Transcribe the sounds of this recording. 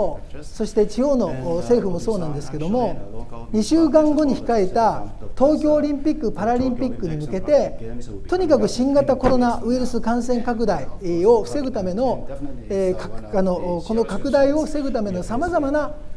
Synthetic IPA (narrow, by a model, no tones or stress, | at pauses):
so̞ɕi̥t̪e̞t͡ɕijo̞ːno̞se̞ːɸɯ̟mo̞so̞ːnãnd̪e̞sɨ̥ke̞d̪o̞mo̞ɲ̟iɕɨːk̬ãŋɡo̞ɲ̟içi̥kaet̪at̪o̞ːk̬ʲo̞ːɾʲĩmpʲikːɯ̟paɾaɾʲĩmpʲikːɯ̟ɲ̟imɯ̟ke̞t̪e̞ | t̪o̞ɲ̟ʲikak̬ɯ̟ɕĩŋɡat̪ako̞ɾo̞naɯiɾɯ̟sɨkãɰ̃sẽ̞ŋkak̬ɯ̟d̪aio̞ɸɯ̟̥se̞ɡɯ̟t̪ame̞no̞ekaano̞ko̞no̞kakɯ̟d̪aio̞ɸɯ̟̥se̞ɡɯ̟t̪ame̞no̞samazamana